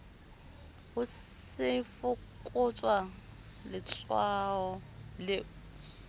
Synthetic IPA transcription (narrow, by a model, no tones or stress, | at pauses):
hʊ | sɪfʊkʼʊt͡sʼwa | lɪt͡sʼwaɔlɪ